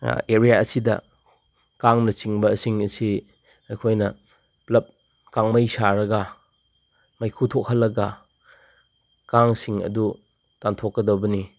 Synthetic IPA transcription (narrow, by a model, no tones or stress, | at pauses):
eɾijaɐsidɐ̰ | kaŋnɐt͡ʃiŋbɐsiŋɐsi | ɐjkʰojnɐ | plɐp̚ | kaŋmɐjsaɾɐɡɐ | mɐjkʰutʰok̚hɐlːɐɡɐ | kaŋsiŋɐ̰du | tantʰokːɐdɐwbɐni